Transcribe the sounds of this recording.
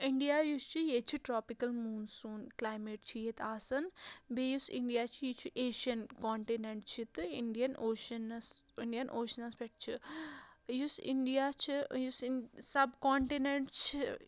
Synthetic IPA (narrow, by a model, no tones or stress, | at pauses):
iɳɖijaːjust͡ʃʰijet͡ʃʰiʈɾoːpikɐlmuːnsunklaːjmeːʈ̚t͡ʃʰijet̪aːsɐnbejusḭɳɖijaːt͡ʃʰijit͡ʃʰiʔeːʃiɐnkoːɳʈineɳʈt͡ʃʰit̪iɳɖijɐnoːʃɐnɐs | iɳɖijɐnʔoːʃɐnɐsbeʈ̚t͡ʃʰi | jusiɳɖijat͡ʃʰijussɐbkoːɳʈineɳʈt͡ʃʰi